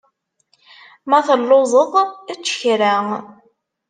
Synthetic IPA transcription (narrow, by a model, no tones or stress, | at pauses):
mæθəlːozˤəðˤæt͡sːə̥çɾæ